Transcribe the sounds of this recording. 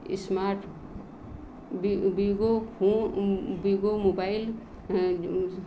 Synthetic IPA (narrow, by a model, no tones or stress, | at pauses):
ɪ̰smaːɾʈ | bbiɡopoːbiɡomobaːɪl